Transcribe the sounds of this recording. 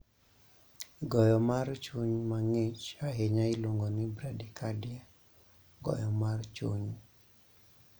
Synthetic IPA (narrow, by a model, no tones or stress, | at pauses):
ɡɔjɔmart͡ʃuɲmaŋet͡ʃaɦeɲaɪloŋɡonɪbɾadikʰadja | ɡɔ̰jɔmart͡ʃuɲ